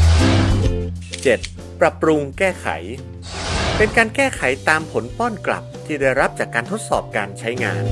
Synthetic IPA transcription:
t͡ɕe˨˩t̪̚ | pɾa˨˩pɾu˧ŋkɛː˥˩kʰa̰˩˦j | pe˧nkaː˧nkɛː˥˩kʰa˩˦jt̪aː˧mpʰo˩˦npɔː˥˩nkla̰˨˩p̚t̪ʰiː˥˩daː˥˩jɾa˦˥p̚t͡ɕaː˨˩kːaː˧nt̪ʰo˦˥t̪̚sɔ̰ː˨˩p̚kaː˧nt͡ɕʰa˦˥jŋa̰ː˧n

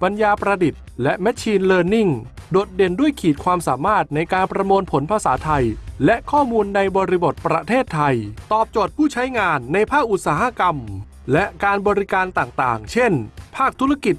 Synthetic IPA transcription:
pa˧njaː˧pɾa˧di˨˩t̪̚lɛ˦˥ʔmɛ˦˥t͡ɕʰiː˧nlɤː˧nːi˥˩ŋdoː˨˩t̪̚de˧˩ndu˥˩əjkʰiː˨˩t̪̚kʰwaː˧msaː˩˦maː˥˩t̪̚na˧jkaː˧npɾa˧moː˧npʰo˩˦npʰa˧saː˩˦t̪ʰa˧jlɛ˦˥ʔkʰɔː˥˩muː˧nːa˧jbɔː˧ɾi˧bo˨˩t̪̚pɾa˧t̪ʰeː˥˩t̪ʰːa˧jt̪ɔː˨˩p̚t͡ɕoː˨˩t̪̚pʰuː˥˩t͡ɕʰa˦˥jŋaː˧nːa˧jpʰaː˥˩k̚ʔu˨˩t̪̚saː˩˦ha˧˥ka˧m | lɛ˦˥ʔkaː˧nbɔː˧ɾi˦˥kaː˧nt̪aː˨˩ŋt̪aː˨˩ŋt͡ɕʰe˥˩npʰaː˥˩k̚t̪ʰu˦˥ɾa˧ki˨˩t̪̚

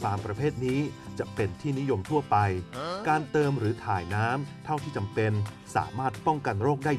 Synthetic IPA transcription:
pʰaː˧ŋpɾa˧pʰeː˥˩t̪̚niː˦˥t͡ɕa˨˩pe˧nt̪ʰiː˥˩ni˦˥jo˧mt̪ʰu˥˩ɐpa˧jkaː˧nt̪ɤː˧mɾɯː˩˦t̪ʰaː˨˩jnaː˦˥mt̪ʰa˥˩wt̪ʰiː˥˩t͡ɕa˧mpe˧n | sa̰ː˩˦maː˥˩t̪̚pɔ˥˩ŋka˧nɾoː˥˩k̚daː˥˩

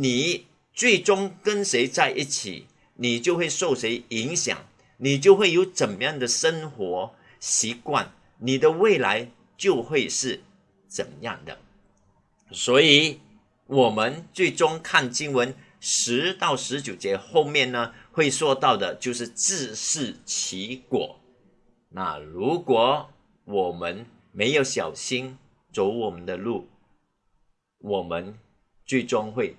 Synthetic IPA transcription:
ni˨˩ | t͡swe˥˩ɪʈ͡ʂʊ˥ŋkə˥nʂe˧˥ɪt͡sa˥˧ɪʔi˥˩t͡ɕʰḭ˨˩ | ni˨˩t͡ɕjo˥˧ʊxwe˥˧ɪʂo˥˩ʊʂe˧˥ɪi˧˥ŋɕjɑ̰˨˩˦ŋ | ni˨˩t͡ɕjo˥˧ʊxwe˥˩ɪjo˧˥ʊt͡sə˨˩njɑ˥˩ŋd̪ə˩ʂə˥nxwɔ˧˥ | ɕi˧˥kwa̰˥˩n | ni˨˩d̪ə˦we˥˩ɪla̰˧˥ɪ | t͡ɕjo˥˧ʊxwe˥˧ɪʂɻ̩˥˩ | t͡sə̰˨˩njɑ̰˥˩ŋd̪ə̰˨˩ | swɔ˧˥i˨˩ | wɔ˨˩mə˦nt͡swe˥˩ɪʈ͡ʂʊ˥ŋkʰa˥˨˧nt͡ɕi˥ŋwə˧˦˥n | ʂɻ̩˧˥t̪ɑ˥˩ʊʂɻ̩˧˥t͡ɕjo˨˩ʊt͡ɕjɛ˧˥xo˥˧ʊmjɛ˥˨nnə˩xwe˥˧ɪswɔ˥˧t̪ɑ˥˩ʊd̪ə˩t͡ɕjo˥˧ʊʂ̩˥˧t͡sɹ̩˥˧ʂɻ̩˥˩t͡ɕʰi˧˥kwɔ̰˨˩˦ | na̰˥˩ɻu˧˥kwɔ˨˥˦ | wɔ˨˩mə˦˥n | me˧˥ɪjo˧˥ʊɕjɑ˨˩ʊɕi˥n | t͡so˧˥ʊwɔ˨˩mə˦nd̪ə˧lu˥˩ | wɔ˨˩mə˦n | t͡swe˥˩ɪʈ͡ʂʊ˥ŋxwe˥˩ɪ

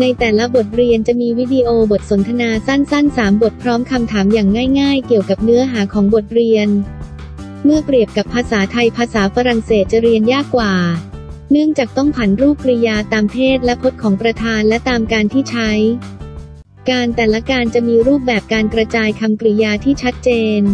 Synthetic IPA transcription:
na˧jt̪ɛː˨˩la˦˥bo˨˩t̪̚ɾi˧ənt͡ɕa˨˩miː˧wi˦˥diː˧ʔoː˧bo˨˩t̪̚so˩˦nt̪ʰa˧naː˧sa˥˩nsa˥˩nsaː˩˦mbo˨˩t̪̚pʰɾɔː˦˥mkʰa˧mt̪ʰaː˩˦mjaː˨˩ŋːaː˥˩jŋaː˥˩jki˨˩əwka˨˩p̚nɯ˦˥ɐɦaː˩˦kʰɔː˩˦ŋbo˨˩t̪̚ɾi˧ən | mɯ˥˩əkɾi˨˩əp̚ka˨˩pʰːaː˧saː˩˦t̪ʰa˧jpʰaː˧saː˩˦fa˧ɾa˨˩ŋseː˨˩t̪̚t͡ɕa˨˩ɾi˧ənjaː˥˩kːwaː˨˩nɯ˥˩əŋt͡ɕaː˨˩k̚t̪ɔ˥˩ŋpʰa˩˦nɾuː˥˩p̚kɾi˧jaː˧t̪aː˧mpʰeː˥˩t̪̚lɛ˦˥pʰo˦˥t̪̚kʰɔː˩˦ŋpɾa˧t̪ʰaː˧nlɛ˦˥t̪aː˧mkaː˧nt̪ʰiː˥˩t͡ɕʰa˦˥j | kaː˧nt̪ɛː˨˩la˧˦kaː˧nt͡ɕa˨˩miː˧ɾuː˥˩p̬̚bɛː˨˩p̚kaː˧nkɾa˧t͡ɕaː˧jkʰa˧mkɾi˧jaː˧t̪ʰiː˥˩t͡ɕʰa˦˥t̪̚t͡ɕeː˧n

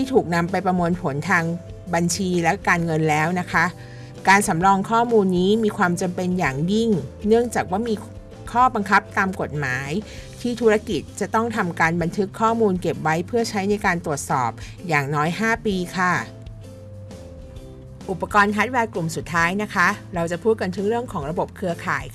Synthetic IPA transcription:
t̪ʰiː˥˩t̪ʰuː˨˩k̚na˧mpa˧jpɾa˧mɯ˧ənpʰo˩˦nt̪ʰaː˧ŋba˧nt͡ɕʰiː˧lɛ˦˥kaː˧nŋɤ˧nlɛː˦˥wna˦˥kʰa˦˥ | kaː˧nsa˩˦mɾɔː˧ŋkʰɔː˥˩muː˧nːiː˦˥miː˧kʰwaː˧mt͡ɕa˧mpe˧njaː˨˩ŋji˥˩ŋnɯ˥˩əŋt͡ɕaː˨˩k̚waː˥˩miː˧ | kʰɔː˥˩ba˧ŋkʰa˦˥p̚t̪aː˧mko˨˩t̪̚maː˩˦jt̪ʰiː˥˩t̪ʰu˦˥ɾa˧ki˨˩t̪̚t͡ɕa˨˩t̪ɔ˥˩ŋt̪ʰa˧mkaː˧nba˧nt̪ʰɯ˦˥kʰːɔː˥˩muː˧nke˨˩p̚wa˦˥jpʰɯ˥˩ɐt͡ɕʰa˦˥jna˧jkaː˧nt̪ɾu˨˩ət̪̚sɔ̰ː˨˩p̚jaː˨˩ŋnɔː˦˥jɦaː˥˩piː˧kʰa˥˩ | ʔu˨˩pːa˧kɔː˧nkʰa˦˥t̪̚wɛː˧klu˨˩msu˨˩t̪ʰːaː˦˥jna˦˥kʰa˦˥ɾa˧wt͡ɕa˨˩pʰuː˥˩t̪̚ka˧nt̪ʰɯ˦˥ŋɾɯ˥˩əŋkʰɔː˩˦ŋɾa˧bo˨˩p̚kʰɯ˧ɐkʰaː˨˩˦jkʰ

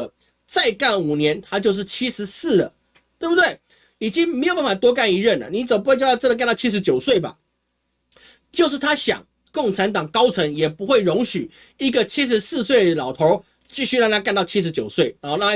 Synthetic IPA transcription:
t͡sa˥˧ɪka˥˩nu˨˩njɛ˧˦nt̪ʰa˥t͡ɕjo˥˧ʊʂ̬ɻ̩˥˩t͡ɕʰi˥ʂɻ̩˧˦sɹ̩˥˩lə̰˩ | t̪we˥˩bu˩t̪we˥˩ɪ | i˨˩t͡ɕi˦˥ŋme˧˥jo˨˩pa˥˩ma˨˩t̪wɔ˥k̬a˥˩ni˧˥ɻə˥˩nlə̰˩ni˧˦t͡sə˨˩m˨˩pu˧˥˧t͡ɕːt͡sə˥nd̪ə˨ka˥˧nt̪ɑ˥˧t͡ɕʰi˥ʂ̬̩˧˦t͡ɕjo˨˩ʊswe˥˩ɪba̰˩ | t͡ɕjo˥˧ʊʂ̬̩˥˩t̪ʰa˥ɕjɑ̰˨˩ŋ | ko˥˩ŋt͡sʰa˧˦˥nt̪ɑ˨˩ŋkɑ˥ʊt͡sʰɤ˧˥ŋjɛ˨˩pu˧˦˥xwe˥˩ɪɻʊ˧˥ŋɕy˨˩ | i˧˥ɡə˨t͡ɕʰi˥ʂ̬ɻ̩˧sɹ̩˥˧swe˥˩ɪdə˩lɑ˨˩ʊt̪ʰo˨˦ʊ | t͡ɕi˥˧ɕy˥˧jɑ˥˧ŋt̪a˥ka˥˧nt̪ɑ˥˨ʊt͡ɕʰi˦˥ʂ̬ɻ̩˧˥t͡ɕjo˨˩ʊswe˥˩ɪna˧˦nxo˥˧na˥˧

